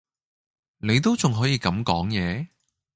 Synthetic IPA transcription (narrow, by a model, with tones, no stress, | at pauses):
ne˨˧jt̪̬o˥wt͡sʊ˨ŋɦɔː˨˥jiː˨˧kɐ˨˥mkɔː˨˥ŋjɛː˨˧